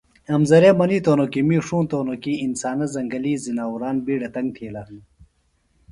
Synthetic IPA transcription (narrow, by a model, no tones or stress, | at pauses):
ɐmzɐɾeːmɐniːt̪oːnokimiːʂũːnt̪oːnokiːnsaːnɐzɐŋɡɐliːzinaːuɾaːnbiːɖɐt̪ɐŋɡ̚t̪ʰiːla